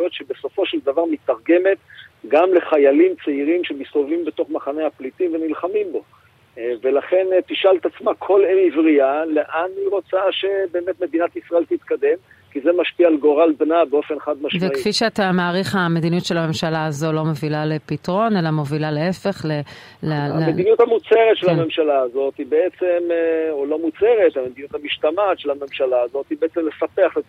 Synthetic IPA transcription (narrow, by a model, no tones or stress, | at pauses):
jot̪ʃebeso̞fo̞ʃeld̪avaʁmit̪aʁɡe̞me̞t̪ɡamle̞χajalimt͡seiʁimʃemisovimbe̞to̞χmaχaneaplit̪imvenilχamimbo̞ | velaχe̞nt̪iʃalt̪at͡smakʰo̞lemivʁiale̞ʔaniʁo̞t͡saʃe̞be̞eːmet̪me̞d̪inat̪isʁae̞lt̪it̪kad̪e̞m | kizemaʃpiaːlɡo̞ʁalbnabeo̞fenχad̪maʃvekfiʃeat̪amaːʁiχame̞d̪inutʃe̞lame̞mʃalaːzo̞lo̞movilalepitʁo̞ne̞lamovilalee̞fe̞χle | lemed̪inut̪hamut͡se̞ʁet̪ʃelame̞mʃalaːzo̞t̪hibeet͡semolo̞mut͡seʁet̪hame̞d̪inut̪hamiʃt̪amatʃelame̞mʃalaːzo̞t̪hibeet͡semle̞sapeaχle